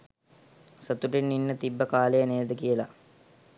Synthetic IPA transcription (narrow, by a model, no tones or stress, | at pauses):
sət̪uʈinːinːət̪ibːəkaːlejəneːd̪əkijəla